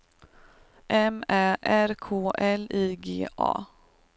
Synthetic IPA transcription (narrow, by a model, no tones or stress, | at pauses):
ʔɛmæːʔæɾkʰoːʔɛliːɡḛːʔɑ̰ː